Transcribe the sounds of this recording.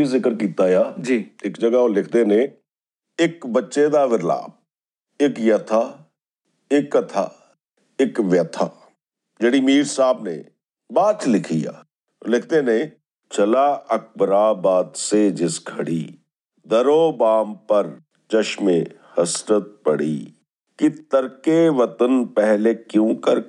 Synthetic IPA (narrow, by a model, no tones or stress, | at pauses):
izɪkəɾkiːt̪aːjaːd͡ʒiɪkd͡ʒəɡaːoːlɪkʰd̪eːnẽ | ɪkbətːʃed̪aːʋɪɾla̰ːb̚ | ɪkjət̪ʰaː | ɪkːət̪ʰa̰ː | ɪkʋjət̪ʰaː | d͡ʒeːɽiːmiːɾsaːbnḛː | baːt͡ʃlɪkʰija̰ː | lɪk̚ʰt̪enẽ | t͡ʃəlaːək̚bəɾaːbaːd̪sed͡ʒɪsɡʱɐɽḭ | d̪əɾoːbaːmpəɾ | t͡ʃəʃmẽhəsɾət̪̚pəɽḭː | kit̪əɾkeʋət̪ənpɛɦlekjõːkəɾ